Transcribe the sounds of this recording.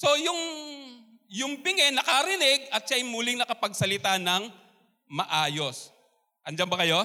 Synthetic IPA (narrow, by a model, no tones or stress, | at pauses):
so̞jʊŋ | jʊŋbɪŋɛnɐkɐɾɪnɪɡ̚ɐt̪̚ʃajmuːlɪŋnɐkɐpɐɡsɐlɪt̪anɐŋ | mɐʔaːjo̞s | ʔɐnd͡ʒɐnbɐkɐjo̞